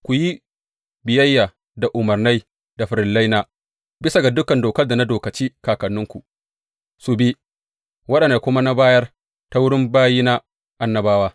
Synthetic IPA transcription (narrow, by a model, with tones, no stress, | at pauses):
kʷu˨ji˦ | bɪ˨jɐ˦jːaː˨ | da˨ʔʊ˨mɐ˨rna˦j | da˨ɸɪ˨ɾɪ˨la˦jnaː˦ | bɪ˦sa˨ɡa˨dʊ˦kɐ˨ndoː˨kɐ˦rda˨na˦doː˨kɐ˨t͡ʃiː˦kaː˨kɐ˨nːʊ˦ŋkʷu˨ | su˨bi˦ | wɐ˦ɗɐ˨nda˨kʷʊ˦ma˦na˦baː˦jɐ˦r | ta˦wʊ˦ɽɪ˦mbaː˦jiː˦na˦ | ʔa˨nːɐ˨baː˦waː˦